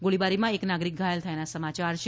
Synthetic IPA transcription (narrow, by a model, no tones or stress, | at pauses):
ɡoɭibaɾimãeknaɡɾik̚ɡʱajelt̪ʰəenasəmat͡ʃaɾt͡ʃʰ